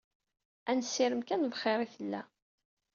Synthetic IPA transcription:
ænsːiɾəmkænvχɪɾˤiθəlːæ̰

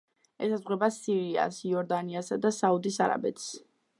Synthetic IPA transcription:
ɛsazʁwɛbasiɾia̰siɔɾd̪aniasad̪asaud̪isaɾa̰bɛt̪ʰs

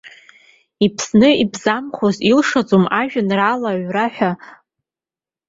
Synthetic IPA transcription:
ipʰsnɨibzamχʷozilʂad͡zʼomaʒᶣanralaʕʷraħʷᶣa

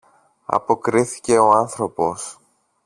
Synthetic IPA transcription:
ɐ̰po̞kɾiθi̥ce̞o̞ɐnθɾo̞po̞s

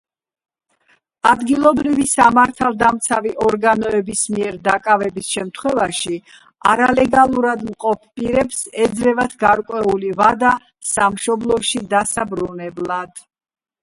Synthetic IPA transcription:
ad̪ɡilˠɔbɾivisamaɾt̪ʰalˠd̪amt̪sʰaviʔɔɾɡanɔɛbismiɛɾd̪akʼavɛbisʃɛmt̪ʰχwɛvaʃi | aɾalɛɡalˠuɾad̪mqʼɔpʰpʼiɾɛpsɛd̪zɾɛvad̪ʰɡaɾkʼwɛulivad̪a | samʃɔblˠɔʃid̪asabɾunɛblˠad̪̥

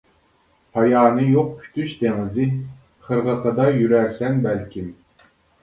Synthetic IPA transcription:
hɑjɑːnɯjoq̚pʰy̥t̪yʃt̪eŋɨzi | χɨ̆ɾʁɤ̆χɤ̆d̪ɑjyɾæɾsænbælʲkʲʰim

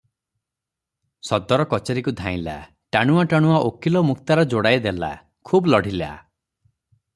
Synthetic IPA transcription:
sɔd̪ɔɾɔkɔt͡ʃeɾikud̪ʱãĩla̰ | ʈaɽ̃uaʈaɽ̃uaʔokilɔmuk̚t̪aɾɔd͡ʒoɽajd̪ela̰ | kʰublɔɽ̤ʱila̰

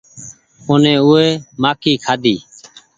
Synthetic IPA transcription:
ʊnẽːʊːeːmaːkiːkʰaːd̪ʱiː

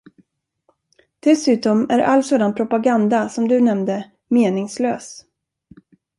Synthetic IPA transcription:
d̪̥ɛsʉ̟ːt̪ɔmæɾʔa̰lsoːd̪anpʰɾʊpaɡand̪asɔmd̪ɵnɛmd̪ə | meːnɪŋsløːs

